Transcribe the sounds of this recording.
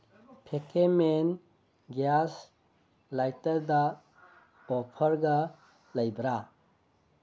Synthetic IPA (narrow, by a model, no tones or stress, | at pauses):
pʰekʰemen | ɡas | lajtəɾda | ɔpʰəɾɡa | lajbɾa